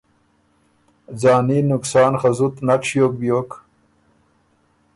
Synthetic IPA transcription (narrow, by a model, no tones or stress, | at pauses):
d͡zɑːniːnʊksɑːnxazut̪nakɕjoːk̚bjoːk